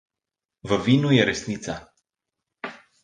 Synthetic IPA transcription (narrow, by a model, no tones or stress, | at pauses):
vəvinujeɾesnit̪sa